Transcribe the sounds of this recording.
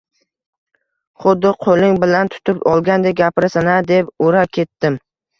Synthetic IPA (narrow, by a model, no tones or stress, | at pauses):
χʊd̪ːɪqʰolɪŋbɪlant̪ʰʊ̥t̪ʰɪpɒlˠɡʲand̪ek̚ʲɡʲapɪɾɪsanad̪epoɾakʲʰe̞t̪ːɪm